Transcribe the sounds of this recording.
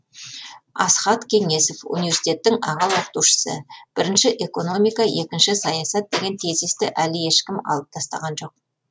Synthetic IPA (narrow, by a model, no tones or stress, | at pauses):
ɑ̰sχɑt̪kʲʰe̞ŋe̞so̞fṵnijvʲesi̥t̪ʲe̞t̪ːɪŋɑ̰ʁɑlˠwoqət̪uʃə̥sə̰b̥ɪɾɪnʃɪʔe̞ko̞no̞mijkɑje̞kʲɪnʃɪsɑjɑsɑt̪̚d̪e̞ɡʲe̞nt̪ʰezest̪ɪʔælɪje̞ʃkʲɪmɑ̰lˠəp̚t̪ʰɑst̪ɑ̰ʁɑnʒo̞q̚